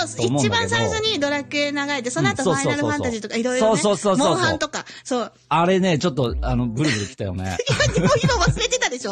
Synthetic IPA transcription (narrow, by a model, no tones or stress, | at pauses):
ooiomõt͡ɕibãɰ̃saiɕoɲ̟id̪o̞ɾakɯ̟e̞naɡaɾet̪esonoatosoːaoːaɾɯfãnaʑit̪o̞kaiɾoiɾsoːsoːsoːmoõːshoãnt̪o̞ka | soː | aɾe̞ne̞t͡ɕo̞t̪̬ːoano̞ɡɯ̟ɾɯbɯ̟ɾɯkʲi̥t̪ajo̞̰nḛimad̪emoimaβasɨɾet̪e̞t̪ad̪e̞ɕo